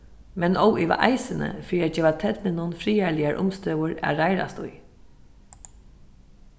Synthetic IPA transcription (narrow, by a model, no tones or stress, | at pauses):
mɛnɔwiʋa̰ʔaɪsənə̰fɾiːɛd͡ʒɛːʋat̪ʰɛt̪nɪnʊnfɾiːælɪaɹʔʊ̰mst̪œwʊɹæ̰ɾaɪɾa̰st̪ʊ̰j